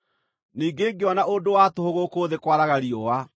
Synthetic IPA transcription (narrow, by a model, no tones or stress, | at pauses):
niːɡeːŋɡeɔnaondowatohoɣokoːðekwaɾaɣaɾiɔwa